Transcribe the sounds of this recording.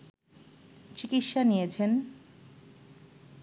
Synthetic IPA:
t͡ɕikit̪ʃanijet͡ɕʰen

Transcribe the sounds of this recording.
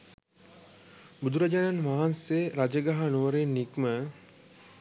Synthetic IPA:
bud̪uɾad͡ʒananʋaɦanseɾad͡ʒəɡaɦanuʋəɾenːikmə

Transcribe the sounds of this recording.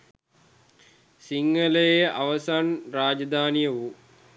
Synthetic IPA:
siŋɡələjeʔaʋəsanraːd͡ʒɐd̪aːnijəʋu

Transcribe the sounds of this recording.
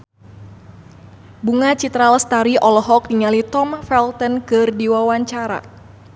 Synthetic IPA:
buŋat͡ʃit̪ɾalst̪aɾiʔɔlɔɦɔk̚diŋalit̪ɔmfɛlt̪ənkɨrdiwawaɲt͡ʃaɾa̰

